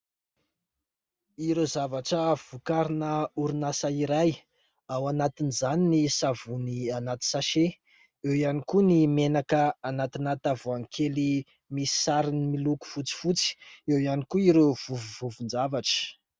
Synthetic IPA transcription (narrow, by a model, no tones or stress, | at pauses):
iɾezavaʈ͡ʂəv̥ukaɾinəuɾinasaiɾaj | awanat̪inizaninisavunianat̪i̥saʃe | ewianikunimenakəanat̪inat̪avuaŋkʰeli | misi̥saɾinimiluku̥fut͡si̥fut͡si̥ewianikuiɾov̥uvuvuvund͡ʒavaʈ͡ʂə̥